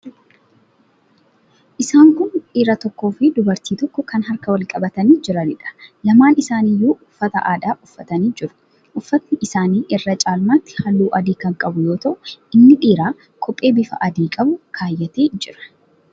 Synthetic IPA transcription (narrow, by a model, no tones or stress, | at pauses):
ʔɪsaːŋkʊnᶑiːɾɐt̪ɔkːo̞ːfɪd̪ʊbɐɾt̪iːt̪ɔkːɔkɐnɦɐɾkɐwɐlkʼɐbɐt̪ɐniːd͡ʒɪɾɐnɪᶑɐ̥lɐmaːnɪsaːnijːuːʔʊfːɐt̪ɐʔaːᶑaːʔʊfːɐt̪ɐniːd͡ʒɪɾʊ̥ | ʔʊfːɐt̪nːɪʔɪsaːniːʔɪrːɐt͡ʃʼaːlmaːt̪ːɪ̥hɐlːuːʔɐd̪iːkɐŋkʼɐbʊjo̞ːt̪ɐʔʊʔɪnːɪᶑiːɾaː | kʰɔpʼːe̞ːbɪfɐ̰ʔɐd̪iːkʼɐbʊkʰaːjːɛt̪eːd͡ʒɪɾɐ̥